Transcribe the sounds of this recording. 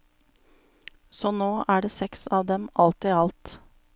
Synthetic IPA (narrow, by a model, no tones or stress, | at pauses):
sɔːnoːʔæːɖeːsɛksɑːʋd̪ɛmɑlt̪ɪɑlt̪